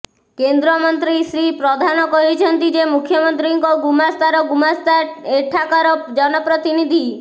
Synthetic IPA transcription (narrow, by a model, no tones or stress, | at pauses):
kend̪ɾɔmɔnt̪ɾisɾipɾɔd̪ʱanɔkɔɦit͡ʃʰɔnt̪id͡ʒemukʰjɔmɔnt̪ɾiŋkɔɡumast̪aɾɔɡumast̪aeʈʰakɔɾɔd͡ʒɔnɔpɾɔt̪inid̪ʱi